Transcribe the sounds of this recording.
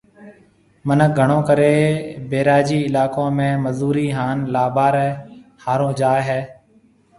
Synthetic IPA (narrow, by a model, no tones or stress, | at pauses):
mənəɡʱəɳõːkəɾeːbeːɾaːd͡ʒiːɪlaːkõːmẽːməzuːɾiːɦaːnlaːbaːɾɛhaːɾõːd͡ʒaːeɦɛː